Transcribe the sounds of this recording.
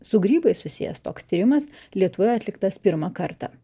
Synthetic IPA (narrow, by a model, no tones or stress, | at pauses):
sʊɡɾʲiːbɐɪsʊsʲɪ̰jɛ̰st̪oːkst̪ʲiːɾʲɪmɐs | lʲiɛt̪ʊʋoːjɛɐt̪ʲlʲɪkt̪ɐspʲɪɾmɑkɐɾt̪ɑ̰ː